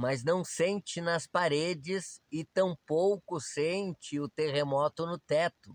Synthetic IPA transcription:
mɐznɐ̃w̃sẽnt͡ʃɪnɐspaɾed͡ʒɪsɪt̪ɐ̃w̃powkʊsẽnt͡ʃɪʊt̪eʁemɔt̪ʊnʊt̪ɛt̪ʊ

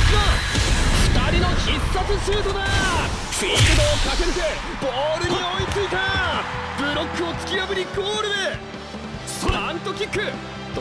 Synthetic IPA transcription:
afɨ̥t̪aɾʲino̞isːat͡sɨɕɨːt̪o̞d̪a | kʲokɯd̪okakeɾɯt̪e | b̥oɾɯ̟ɲ̟io̞it͡sɨit̪ab̥ɯ̟ɾo̞kːɯ̟o̞t͡sɨ̥kʲijabɯɾʲikoːɾɯ̟d̪e | sãnt̪o̞kʲikːɯ

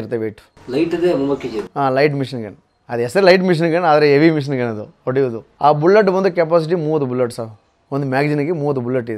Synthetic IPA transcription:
ɾt̪ːeʋeːʈu̥ | lɐjʈɐd̪emuʋɐked͡ʒiaːlɐjʈ̬miʂɐnɡɐɳ | ɐd̪ɛsɐɾelɐjʈ̬miʂ̬ɐnɡɐɳaːd̪ɐɾeeʋimiʂ̬ɐnɡɐnɐd̪uoɽiʋud̪uaːbulːeʈ̬bɐnd̪ukepaːs̬iʈ̬imuːʋɐt̪ubulːɐʈːsa | ond̪umaːɡd͡ʒinɐɡemuːʋɐt̪ubulːɐʈːid̪

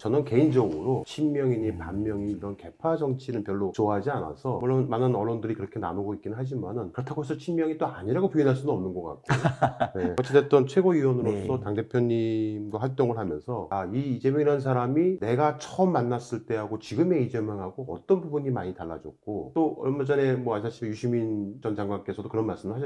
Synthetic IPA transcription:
t͡ɕʌnɯnke̞ind͡ʑʌɡɯɾot͡ɕʰinmjʌŋiɲipanmjʌŋiɲiɾʌnke̞pʰad͡ʑʌŋt͡ɕʰinɯnpjʌɭːot͡ɕoaɦad͡ʑiana̰sʰʌmuɭːonmanɯnʌɭːondɯɾikɯɾʌkʰe̞na̰noɡoik͈inɯnɦad͡ʑimanɯnkɯɾʌtʰaɡoɦes̬ʰʌt͡ɕʰimmjʌŋit͈oaɲiɾaɡopjuinɦaɭs͈unɯnʌmnɯnɡʌk͈a̰k̚k͈ojonekʌt͡ɕʰedet͈ʌnt͡ɕʰwe̞ɡoiwʌnɯɾos͈ʌtaŋde̞pʰjʌɲːimɡwaɸwaɭt͈oŋɯɭɦamjʌ̰nsʰʌaiːd͡ʑe̞mjʌŋiɾans̬ʰaɾamine̞ɡat͡ɕʰʌʌmːanːas͈ɯɭt͈e̞ɦaɡot͡ɕiɡɯme̞id͡ʑemjʌŋɦaɡoʌ̰t͈ʌnbubuɲimaɲitaɭːa̰d͡ʑʌ̰k̚k͈o̰t͈oʌmad͡ʑʌne̞mʌaɕʰaɕ͈ʰimejuɕʰimint͡ɕʌnd͡ʑaŋɡwank͈e̞sʰʌdokɯɾʌnmaɭs͈ɯmɯɭhaɕʰi

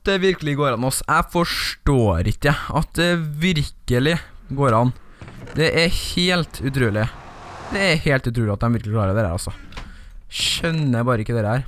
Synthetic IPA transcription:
d̪ɛʋɪɾkəlɪɡoːɾɑnɔsæɪfɔʂʈoːɾɪkːəɑt̪̚d̪ɛʋɪɾkəlɪɡoːɾɑn | d̪ɛʔæheːlt̪ʰʉt̪ʰɾʉːlɪ | d̪ɛæɾheːlt̪ʉt̪ʰɾʉːlɪɑt̪̚d̪ɛmʋɪɾkəlɪkʰlɑːɾəd̪ɛd̪æ̰ɾɑ̰sːɔ | ʃœnːəbɑːɾəɪkːəd̪ɛːɾəæːɾ

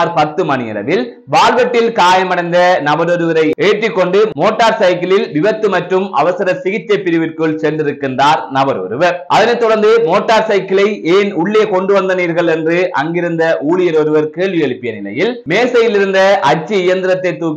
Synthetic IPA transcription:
ɾpɐt̪ːɯmɐnɪjɐ̰lɐ̰ʋɪl | ʋaːɭʋɐʈːɪlkaːjɐmɐɽɐɪnd̪ɐnɐbɐɾɔɾɯʋɐɾɐɪeːʈrɪkːɔɳɖɯmoːʈːaːɾsɐɪkːɪlɪlʋɪʋɐt̪ːɯmɐʈrɯmɐ̰ʋɐsɪɾɐsɪɣɪt͡ʃːɐɪpɪɾɪʋɪrkɯɭsɛndrɪɾɯkːɪndraːɾnɐbɐɾo̰ɾɯʋɐɾʔɐðɐnɐɪt̪ːɔɽɐɾnd̪ɯmoːʈːaːɾsɐɪkːɪlɐɪeːnʊɭːeːkɔɳɖɯʋɐnd̪ɐniːɾɣɐɭɛndrɯʔɐ̰ŋɡɪɾɯnd̪ɐʔuːɭɪjɐɾɔɾɯʋɐɾkeːɭʋɪjɛɭɪpːɪjɐnɪlɐ̰jɪlmeːsɐjɪlɪɾɯnd̪ɐʔɐt͡ʃːiɪjɐnd̪ɪɾɐt̪ːɐɪt̪ːuːk

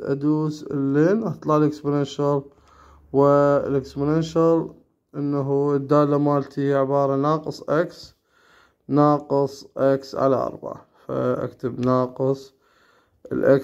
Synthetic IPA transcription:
ʔa̰d̪uːslːeːnʔɑt̪ˤlɑʕlʔəksmʊneːʃɑɾˤ | wɪlɪksmʊneːʃɑɾˤ | ʔənːaɦud̪ːaːlːamaːlt̪ʰiʕɪbɑːɾˤɑnɑːqɨsˤʔaks | nɑːqɨsˤʔaksʕa̰laʔɑ̰ɾˤba̰ʕafa̰ʔa̰kt̪əbnɑːqɨsˤ | ə̰lʔa̰k

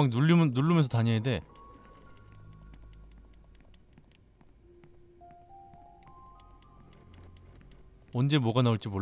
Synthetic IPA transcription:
aŋuimnuɭːumjʌnsʰʌtaɲejade̞ | ʌnd͡ʑe̞mwʌɡanauɭt͡ɕ͈imo

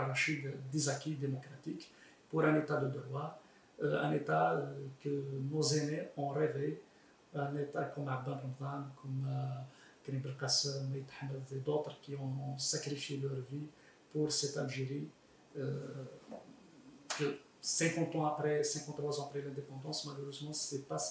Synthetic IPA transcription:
rːˤɑʃid̪d̪izakid̪emɔkɾɑt̪ik | puɾɛ̃net̪ad̪əd̪əɾwa | ɛ̰̃net̪akənozeneʔɔ̃ɾeve | ɛ̃net̪akɔmʕabːɛ̃bɾəmd̪ɑnkʰɔm | kɾibəlqasəmæjət̪ħamːəed̪ot̪ɾkiɔ̃sakɾifjelœɾvi | puɾsɛt̪alʒeʁi | kə | sɛ̃kɑ̃t̪ɑ̃apɾɛsɛ̃kɑ̃t̪ʁwazɑ̃apɾɛlɛ̃d̪epɑ̃d̪ɑ̃smaləʁøzmɑ̃sɛpa

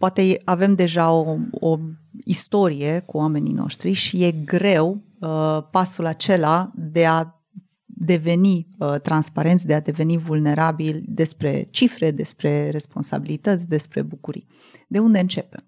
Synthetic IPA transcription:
poat̪e̞eave̞md̪e̞ʒaooist̪o̞ɾije̞kuame̞nḭno̞̰ʃt̪ɾiʃije̞ɡɾe̞w | əpasulat͡ʃe̞lad̪e̞a | d̪e̞ve̞niət̪ɾanspaɾe̞nt̪sʲd̪e̞ad̪e̞ve̞nivulne̞ɾabild̪e̞spɾe̞̰t͡ʃifɾe̞d̪e̞spɾe̞re̞spo̞nsa̰bilit̪ət̪sʲd̪e̞spɾe̞̰bukuɾḭ | d̪e̞und̪e̞ɨnt͡ʃe̞pe

